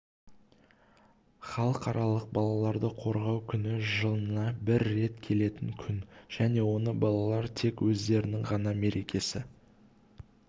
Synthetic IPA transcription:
χɑlˠəqɑɾɑlˠəq̚bɑlˠɑlˠɑɾd̪əqʰo̞ɾʁɑwkʲʰʏnɪʒəlˠənɑbɪɾːe̞t̪kʲʰe̞le̞t̪ɪŋkʲʰʏnʒ̥æne̞wo̞nəbɑlˠɑlˠɑɾt̪ʰe̞kwɵzd̪e̞ɾɪnɪŋʁɑnɑme̞ɾe̞kʲʰe̞sɪ

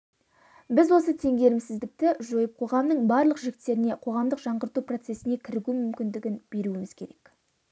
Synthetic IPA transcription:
bɪzwo̞s̬ət̪ʰe̞ŋɡʲe̞ɾɪmsɪzd̪ɪk̚t̪ɪʒo̞jəp̚qʰo̞ʁɑmnəɴbɑɾlˠəqʒɪɡʲɪt̪ːe̞ɾɪne̞qʰo̞ʁɑmd̪əqʒɑɴʁəɾt̪upro̞t̪se̞sɪne̞kʲʰɪɾɪɡʲumʏmkʲɪnd̪ɪɡʲɪnb̥e̞ɾuɪmɪz̥kʲʰe̞ɾe̞k

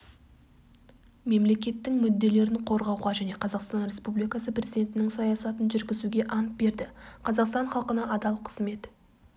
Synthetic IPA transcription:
me̞mle̞kʲe̞t̪ːɪŋmʏd̪ːe̞le̞ɾɪɴqʰo̞ɾʁɑwʁɑʒæne̞qʰɑzɑqst̪ɑnɾʲe̞spublijkɑsəprʲe̞zid̪ʲe̞nt̪ɪnɪŋsɑjɑsɑt̪ənʒʏɾɡʲɪzuɡʲe̞ʔɑnt̪̚be̞ɾd̪ɪqʰɑzɑqst̪ɑɴχɑlˠqənɑʔɑd̪ɑlˠqʰə̥z̥me̞t̪

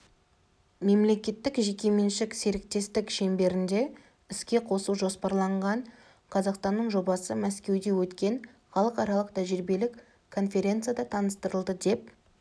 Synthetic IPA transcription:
me̞mle̞kʲe̞t̪ːɪkʒe̞kʲe̞me̞nʃɪkse̞ɾɪk̚t̪e̞st̪ɪkʃe̞mbe̞ɾɪnd̪e̞ | ɪskʲe̞qʰo̞suwʒo̞spɑɾlˠɑɴʁɑɴ | qʰɑzɑqst̪ɑnːəɴʒo̞bɑsəmæskʲe̞wd̪e̞wɵt̪kʲe̞ɴ | χɑlˠəqɑɾɑlˠəqt̪ʰæʒɪɾbe̞lɪkʰː | o̞nfʲe̞ɾʲe̞nt̪sɨjad̪ɑt̪ʰɑnəst̪əɾəlˠd̪əd̪e̞p̚

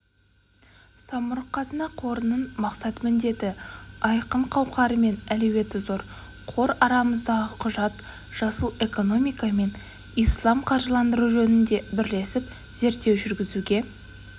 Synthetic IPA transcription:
sɑmʊɾəqʰːɑzənɑqʰo̞ɾənəɴmɑqsɑt̪mʏnd̪e̞t̪ɪɑjqəɴqʰɑwqɑɾəme̞nælewe̞t̪ɪzo̞ɾ | qʰo̞ɾɑɾɑməzd̪ɑʁəqʰʊʒɑt̪ | ʒ̥ɑsəlˠe̞ko̞no̞mijkɑme̞n | ijslˠɑmqʰɑɾʒəlˠɑnd̪əɾuʒɵnɪnd̪e̞bɪɾle̞sɪp̚ | z̥e̞ɾt̪ːewʒʏɾɡʲɪzuɡʲe̞

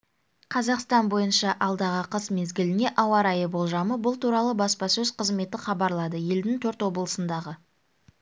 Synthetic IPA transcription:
qʰɑzɑqst̪ɑnbo̞jənʃɑʔɑlˠd̪ɑʁəqʰəsme̞zɡʲɪlɪne̞ʔɑwɑɾɑjəbo̞lˠʒɑməbʊlˠt̪uɾɑlˠəbɑspɑsɵzqʰəzme̞t̪ɪχɑbɑɾlˠɑd̪əje̞ld̪ɪŋt̪ʰɵɾt̪wo̞blˠəsənd̪ɑʁə

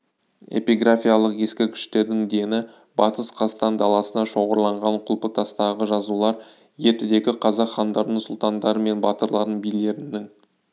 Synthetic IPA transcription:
e̞̰piɡrafʲijalˠəqje̞skʲɪkʲʰɪ̥ʃt̪e̞ɾd̪ɪŋd̪e̞nɪ | bɑt̪əsqʰɑst̪ɑnd̪ɑlˠɑsənɑʃo̞ʁəɾlˠɑɴʁɑɴqʰʊlˠpək̚t̪ʰɑst̪ɑʁəʒɑzulˠɑɾ | je̞ɾt̪ɪd̪e̞kʲɪqʰɑzɑqχːɑnd̪ɑɾd̪əsʊlˠt̪ɑnd̪ɑɾəme̞nbɑt̪əɾlˠɑɾd̪əɴbijle̞ɾɪnːɪŋ

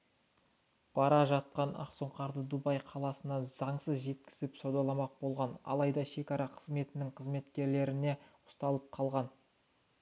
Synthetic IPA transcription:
b̥ɑɾɑʒɑt̪̚qɑnɑ̰qso̞ɴqʰɑɾd̪əd̪ubɑjqʰɑlˠɑsənɑzɑɴsəzʒe̞t̪̚kʲɪzɪpsowd̪ɑlˠɑmɑq̚b̥o̞lˠʁɑnɑ̰lˠɑjd̪ɑʃe̞kʲɑɾɑqʰəzme̞t̪ɪnɪŋqʰəzme̞t̪kʲe̞ɾle̞ɾɪne̞ʊ̥st̪ɑlˠəp̚qʰɑlˠʁɑn

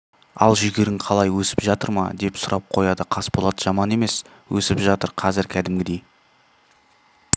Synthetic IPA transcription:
ɑlˠʒʏɡʲe̞ɾɪɴqʰɑlˠɑjwɵsɪ̥pʒɑt̪əɾmɑ̰d̪e̞psʊɾʔɑp̚qʰo̞jɑd̪əqʰɑsbo̞lˠɑd̪əʒɑmɑne̞me̞s | wʔɵ̰sɪpʒɑt̪əɾqʰɑzɪɾkʲʰæd̪ɪmɡʲɪd̪e̞j

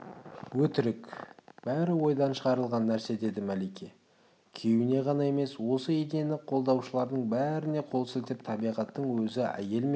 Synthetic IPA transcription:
wɵt̪ɪɾɪkb̥æɾɪwo̞jd̪ɑnʃəʁɑɾəlˠʁɑnːæɾse̞d̪e̞d̪ɪmælejkʲe | kʲʰe̞wɪne̞ʁɑnɑe̞me̞swo̞səid̪e̞nɪqʰo̞lˠd̪ɑwʃəlˠɑɾd̪əɴbæɾɪne̞qʰo̞lˠsɪlt̪ɪp̚t̪ʰɑbijʁɑt̪ːəɴwɵzɪæ̰je̞lme

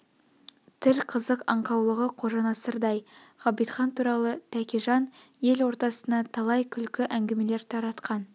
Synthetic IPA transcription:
t̪ʰɪɾqʰəzəqɑɴqɑwlˠəʁəqʰo̞ʒɑnɑsəɾd̪ɑjʁ̥ɑbijt̪χɑnt̪ʰuɾɑlˠət̪ʰækʲiʒɑn | je̞lwo̞ɾt̪ɑsənɑt̪ʰɑlˠɑjkʲʰʏlkʲɪʔæŋɡʲeme̞le̞ɾt̪ʰɑɾɑt̪qɑn

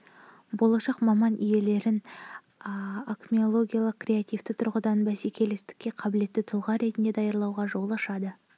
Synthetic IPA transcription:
bo̞lˠɑʃɑqmɑmɑnʔije̞le̞ɾɪn | akmʲio̞lˠo̞ɡʲijalˠəq̚krʲe̞at̪ijft̪ɪt̪ʰʊɾʁəd̪ɑnbæsekʲʰe̞le̞st̪ɪ̥kʲːe̞qʰɑbɪle̞t̪ːɪt̪ʰʊlˠʁɑɾe̞t̪ɪnd̪ed̪ɑjɑɾlˠɑwʁɑʒo̞lˠɑʃɑd̪ə

